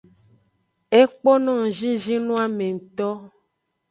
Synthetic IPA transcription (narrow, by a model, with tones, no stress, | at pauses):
e˦k͡po˦nɔ̃˦˨ŋ̩˨ʒĩ˦d͡ʒi˦nũ˦a˨mẽ˨ŋ̩˨t̪ɔ˦